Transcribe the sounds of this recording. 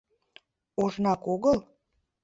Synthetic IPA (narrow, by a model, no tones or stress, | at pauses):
oʒnɑkoɣəl